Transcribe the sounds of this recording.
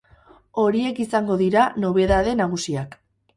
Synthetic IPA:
o̞ɾie̞kisaŋɡo̞ðiɾano̞β̞e̞ðaðe̞naɣ̞usiak

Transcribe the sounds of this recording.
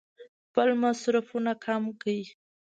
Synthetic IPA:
pəlmasɾafunakʰamkawi

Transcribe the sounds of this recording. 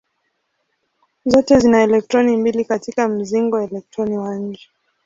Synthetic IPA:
zɔtɛzinaɛlɛk̚tɾɔnimbilikatikam̩ziŋɡɔɛlɛk̚tɾɔniwaŋ̩ɡɛ

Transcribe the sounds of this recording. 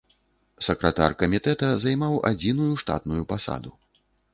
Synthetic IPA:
sɐkɾɐt̪arkɐmʲit̪ɛt̪ɐzajmawʔa̰d͡zʲinujuʂt̪a̰t̪nujupasa̰d̪u

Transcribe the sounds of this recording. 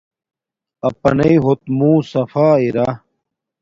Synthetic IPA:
ɐpɐ̰nɐiɦot̪̚mũːsɐfaːiɾa

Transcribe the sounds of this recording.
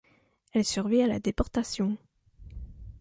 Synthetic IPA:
ɛlsyʁviala̰d̪epɔʁt̪asjɔ̃

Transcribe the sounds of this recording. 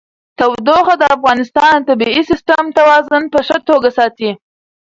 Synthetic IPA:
t̪awd̪oxad̪əafɣɑnɪst̪ɑnt̪abiisɪst̪əmt̪awɑzʊnpəʂət̪oɡasɑt̪i

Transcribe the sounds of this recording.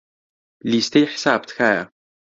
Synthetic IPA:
liːst̪ʰɐjħsaːbt̪xaːja̰

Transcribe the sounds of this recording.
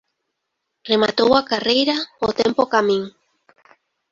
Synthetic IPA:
remat̪owakarejɾaot̪empokamĩŋ

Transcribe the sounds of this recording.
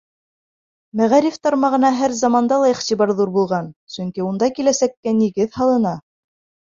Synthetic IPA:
mæʁæɾift̪ɑɾmɑʁɤ̆nɑɦæɾzɑmɑnd̪ɑlˠɑiχt̪ibɑɾðuɾbulˠʁɑnsɵ̆ŋkiund̪ɑkilæsækːæniɡɘðhɑlˠɤ̆nɑ

